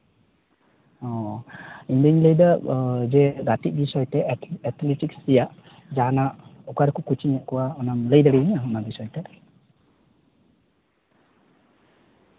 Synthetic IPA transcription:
ɔ̃ | iɲd̪əɲləjd̪əd͡ʒɛɡat̪iʔ̚bisɔjt̪eɛt̪liʈiksijaʔ | d͡ʒanaʔɔkaɾkukut͡ʃiɲɛʔkɔwaɔnamləjd̪əɽiɲaɔnabisɔjt̪e

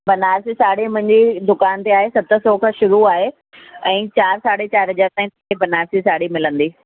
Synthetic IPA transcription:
bɐnaːɾsisaːɽemʊ̃ɦɪ̃ɲd͡ʑid̪ʊkaːnt̪eaːɦesɐt̪ə̆sɔːkʰãʃʊɾuaːɦe | ɛ̃ːt͡ɕaːɾsaːɽet͡ɕaːɾɦɐd͡ʑaːɾt̪aːɦĩt̪kebɐnaːɾsisaːɽimɪlə̃nd̪iː

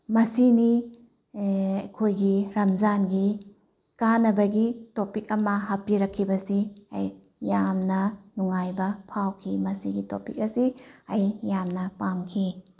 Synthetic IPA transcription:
mɐsini | ɐjkʰojɡiɾɐmzanɡi | kanɐbɐɡitopik̚ɐmɐɦapiɾɐkʰːibɐsiɐj | jamnɐnuŋajbɐpʰawkʰimɐsiɡitopik̚ɐsiɐjjamnɐpamkʰi

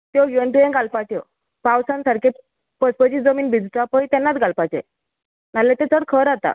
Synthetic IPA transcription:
t̪jɔjəɳʈuẽɡalpat̪jɔ | pawsãnsaɾkʰe | pəspət͡ɕid͡zəmiːnbʱid͡z̪t̪apəit̪ɛnːat̪ɡʱalpat͡ɕḛ | nalet̪ẽt͡s̪ʰəɽkʰəɾat̪a̰

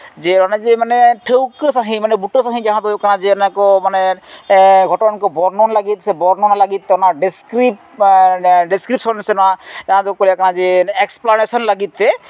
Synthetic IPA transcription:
d͡ʒɛɔnad͡ʒemanɛʈʰewkəsaɦĩmanɛbuʈəsaɦĩd͡ʒaɦãd̪ɔkanãd͡ʒɛnakɔmanɛ | ɡʱɔʈɔnankɔbɔɾnɔnlaɡit̪sɛbɔɾnɔnalaɡit̪̚ːɛɔnaɖiskɾip | ɖiskɾip̚sɔnsɛnɔad͡ʒaɦãd̪ukolakanãd͡ʒɛɛksplanesɔnlaɡit̪ːɛ

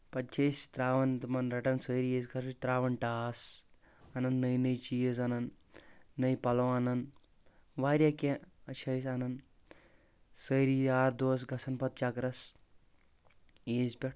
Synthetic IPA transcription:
pɐt̪t͡ʃʰɐst̪ɾaːʋɐnt̪ɨmɐnɾɐʈɐnsəːɾieːzkɐɾɨt͡ʃt̪ɾaːʋɐɳʈaːs | ɐnɐnːəjnəjt͡ʃiːjəzɐnɐnː | əjpɐloːɐnɐn | ʋaːɾʲjakeɐt͡ʃʰɐjsɐnɐn | səːɾiaːɾd̪oːs̬ɡɐsɐnpɐt̪̚t͡ʃaːkɐɾɐs | eːzpʲɐʈ̚

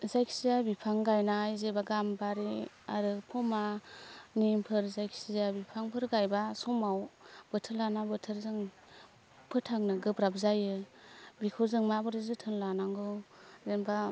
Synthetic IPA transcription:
zajksijabipʰaŋɡajnajzebaɡambaɾi | aɾɯpʰɔmanimpʰɯɾzajkʰsiabipʰaŋpʰɯɾɡajbasɔmawbɯtʰɯlanabɯtʰɯɾzɯŋ | pʰɯtʰaŋnɯɡɯbɾap̚zajɯbikʰɯzɯŋmabɯɾɯzɯtʰɯnlanaŋɡɯzenba

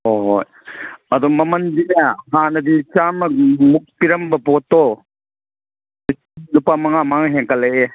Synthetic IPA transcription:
oɦoj | ɐd̪ɔmɐmɐndinaɦanɐdit͡ʃamɐmuk̚piɾɐmbɐbɔtːɔ | iilupamɐŋamaŋɦeŋkɐlɐje

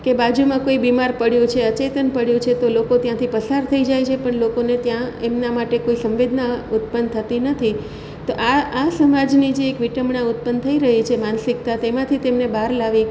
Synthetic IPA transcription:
kebad͡ʒumãkoibimaɾpəɽjũt͡ʃʰeət͡ʃet̪ənpəɽjũt͡ʃʰet̪olokot̪jãt̪ʰipəsaɾt̪ʰəid͡ʒajt͡ʃʰepəɳlokonet̪jãemnamaʈekoisə̃mʋed̪ʱnaʊt̪̚pənt̪ʰət̪inət̪ʰi | t̪oʔaasəmad͡ʒnid͡ʒeːkʋiʈəmɳaʊt̪̚pənt̪ʰəiɾəɦit͡ʃʰemansɪk̚t̪at̪emãt̪ʰit̪emnebaɾlaʋi

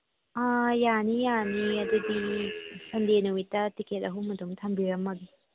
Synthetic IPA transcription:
ajanijaniɐdɐdisɐndenuwitɐtikʰetɐɦumɐdumtʰɐmbiɾɐmːɐɡi

